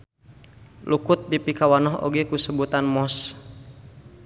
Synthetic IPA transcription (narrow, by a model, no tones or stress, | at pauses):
lukʊt̪̚dipikawanɔɦo̰ɡekusəbut̪anmɔs